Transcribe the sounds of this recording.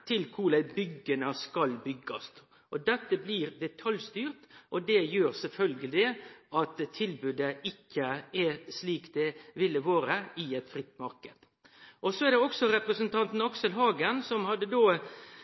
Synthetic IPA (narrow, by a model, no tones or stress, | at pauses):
t̪ʰɪlkʰuːlæbʏɡːənəskɑlbʏɡːɑst̪ | ʔɔd̪ɛt̪ːəbliɾd̪ɛt̪ʰɑljst̪yːɾt̪ʔɔd̪ɛjøːɾsɛlfœlɡəlɪɪɑt̪ʰːɪlbʉd̪əɪkʰːəɛsliːkd̪ɛʋɪlːəʋoːɾəɪɛt̪fɾɪt̪ːmɑɾkəd̪̥ | ʔɔsɔɛɾd̪ɛɔksɔɾɛpɾəsənt̪ʰɑnt̪n̩ɑksəlɦɑːɡənsɔmhɑd̪ːəd̪oː